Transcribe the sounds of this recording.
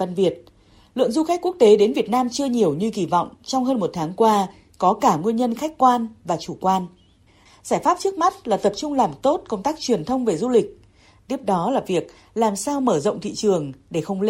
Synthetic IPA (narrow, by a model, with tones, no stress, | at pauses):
və˧nvi˨˩ət̚ | lɨ̰˧˨əŋzu˧xa˦˥k̟̚ku˦˥ək̚t̪e˨˦ɗe˨˦nvi˨˩ət̚naː˧mt͡ɕɨ˧əɲi˨˩əwɲɨ˧ɣi˧˩vɔ̰˧˨wŋ͡mt͡ɕɔ˧wŋ͡mɦəː˧nmo˨˩t̚t̪ʰaː˨˦ŋkwaː˧ | kɔ˨˦kaː˧˩ŋwi˧ənɲə˧nxa˦˥jk̟̚kwaː˧nvaː˨˩t͡ɕu˧˩kwaː˧n | zaː˧˩jfaː˦˥p̚t͡ɕɨ˦˥k̚ma˦˥t̚laː˨˩t̪ə˨˩p̚t͡ɕʊ˧ŋ͡mlaː˨˩mt̪o˦˥t̚kə˧wŋ͡mt̪aː˦˥k̚t͡ɕwi˨˩ənt̪ʰə˧wŋ͡mve˨˩zu˧lï˨˩k̟̚ | t̪i˦˥əp̚ɗɔ˨˦laː˨˩vi˨˩ək̚ | laː˨˩msaː˧wməː˧˩zə̰˧˨wŋ͡mt̪ʰḭ˧˨t͡ɕɨ˨˩əŋɗe˧˩xə˧wŋ͡ml